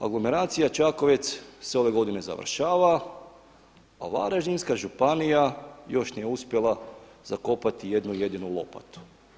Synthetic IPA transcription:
a̰ɡlˠo̞me̞ɾaːt̪sijat͡ʃako̞ʋet̪sseo̞ʋe̞ɡo̞d̪ine̞za̰ʋ̰rʃaːʋa | a̰ʋa̰ɾaʒinskaʒupanijajo̞ʃnijeuspje̞lˠaz̥ako̞pat̪ije̞d̪nuje̞d̪inulˠo̞̰pa̰t̪u̥

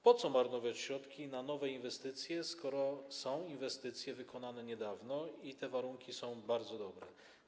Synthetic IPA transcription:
pɔt̪sɔmaɾnɔvʲjat͡ɕɕɾɔt̪kʲinanɔvɛinvɛst̪ɘt̪sʲjɛskɔɾɔsɔ̃w̃invɛst̪ɘt̪sʲjɛvɘkɔnanɛɲɛd̪avnɔit̪ɛvaɾuŋkʲisɔ̃w̃baɾd̪zɔd̪ɔbɾɛ̰

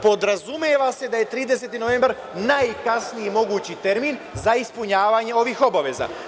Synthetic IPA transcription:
po̞d̪ɾazumeʋase̞d̪aje̞t̪ɾiːd̪es̬e̞t̪ino̞ʋe̞mbaɾ | najkasniimo̞ɡuːt͡ɕit̪e̞ɾmiːnzaispuɲaːʋaːɲe̞o̞ʋixo̞baʋe̞za̰

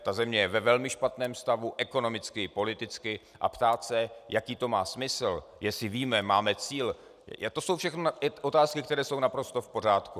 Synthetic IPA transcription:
t̪azɛmɲɛjɛvɛvɛlmɪʃpat̪nɛːmst̪avuʔɛko̞no̞mɪt͡skɪpo̞lɪt̪ɪt͡skɪ | ʔa̰pt̪aːt̪sɛjakiːt̪o̞maːsmɪsl̩jɛsɪviːmɛmaːmɛt͡siːl | t̪o̞sowfʃɛxnoɪʔo̞t̪aːskɪkt̪ɛɾɛːso̞wnapɾo̞st̪o̞fpo̞r̝aːt̪ku

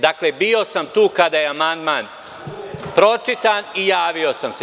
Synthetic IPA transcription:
d̪akle̞bio̞samt̪uːkad̪aːjeamand̪maːn | pɾo̞t͡ʂit̪anijaːʋio̞samse

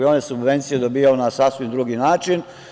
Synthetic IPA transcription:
onjesubʋe̞nt̪sijed̪obiːjaonasasʋimd̪ɾuɡinaːt͡ʃin

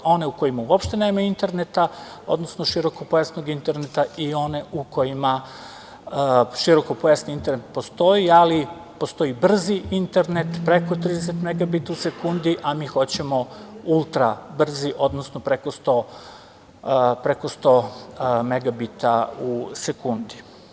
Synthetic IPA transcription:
o̞ne̞uko̞jimauopʃt̪e̞ne̞ːmaint̪e̞ɾne̞t̪a | o̞̰d̪nosnoʃiɾo̞kopojasnoɡint̪e̞ɾnet̪aio̞ne̞ʔuko̞jima | ʃiɾo̞ko̞pojasniint̪eɾnet̪po̞st̪o̞iali | po̞st̪o̞ibr̩ziint̪e̞ɾne̞t̪pɾe̞ko̞t̪ɾiːd̪es̬et̪meɡabit̪ause̞kund̪iʔamiːxo̞t͡ɕemo̞ulˠt̪ɾabr̩ziʔo̞d̪nosnopɾeko̞st̪o̞ | pɾeko̞st̪o̞me̞ɡabit̪ausekund̪i

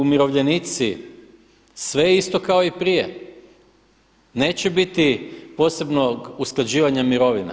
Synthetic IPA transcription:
umiɾo̞ʋʎe̞nit̪si | sʋejist̪o̞kao̞ipɾijḛ | ne̞ːt͡ɕebit̪ipo̞ːse̞bno̞ɡusklˠad͡ʑiːʋaɲamiɾo̞ʋina̰

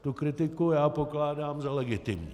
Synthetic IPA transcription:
t̪ukɾɪt̪ɪkujaːpoklaːdaːmzalɛɡɪt̪ɪmɲi

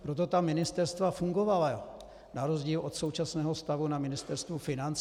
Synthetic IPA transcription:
pɾot̪o̞t̪amɪnɪst̪ɛɾst̪vafuŋɡovala | naɾozɟiːlʔo̞t̪so̞wt͡ʃasnɛːɦost̪avunamɪnɪst̪ɛɾst̪vufɪnant͡s

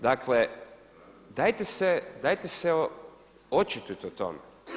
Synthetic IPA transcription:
d̪akʰle | d̪ajt̪esed̪ajt̪ese | ot͡ʃit̪ut̪ot̪o̰me

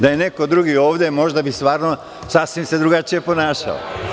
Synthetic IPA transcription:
d̪aje̞ne̞ko̞d̪ɾuɡioːʋd̪emo̞ʒd̪abist̪ʋaːɾno | sasʋimse̞d̪ɾuɡat͡ʃije̞po̞naːʃa̰o̰

